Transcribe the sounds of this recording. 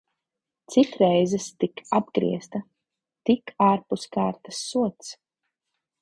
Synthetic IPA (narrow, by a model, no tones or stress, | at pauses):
t̪sit̪ɾɛjzɛst̪ikab̚ɡɾḭɛst̪a | t̪ikaːɾpuskaːɾt̪ḁsːuɔt̪s